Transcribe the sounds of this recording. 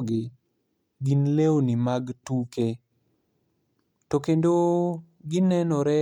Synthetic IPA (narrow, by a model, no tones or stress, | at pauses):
ɡɪ | ɡinlewonimaɡtuke | tokendo | ɡɪnɛnɔɾɛ